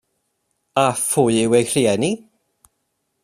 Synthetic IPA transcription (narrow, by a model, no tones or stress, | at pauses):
afʊjɪwejr̥iɛni